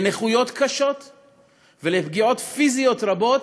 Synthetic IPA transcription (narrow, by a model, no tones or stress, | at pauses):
neχujo̞t̪kaʃo̞t̪ | velepɡio̞t̪fizijo̞t̪ʁabo̞t